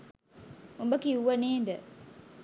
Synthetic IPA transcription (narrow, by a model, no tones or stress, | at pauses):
umbɐkiuʋɐneːnd̪ɐ